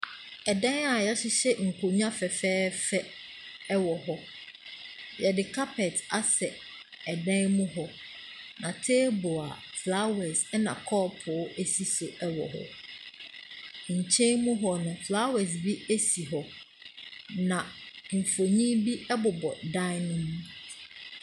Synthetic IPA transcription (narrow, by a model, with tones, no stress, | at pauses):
ɛ˨dã˦na˨ja˦ɕɪ˦ɕɛ˦ŋ̩˨kʰo˨ɲ˦ã˦fɛ˨fɛː˦fɛ˦ | ɛ˦wɔ˨ɦɔ˦ | jɛ˨dɪ˨kʰa˦pʰɛ˨ta˨sɛ˨ | ɛ˨dã˦nmũ˦ɦɔ˦ | nã˨tʰeː˦bʊ˨a˨ | fla˦wɛ˨sɛ˦nã̰˨kʰɔː˦˨pʰʊ˨˦e˦si˨so˨ʔɛ˦wɔ̰˨ɦɔ̰˦ | ɲ̩˨t͡ɕʰɛ̃˦nmũ˦ɦɔ˦nʊ̃˨fla˦wɛ˨s̬bi˦e˦si˨ɦɔ˨ | nã˨m̩˨fo˨ɲĩ˦bi˦ɛ˦bʊ˨bɔ˨dã˦nʊ̃˦mũ˦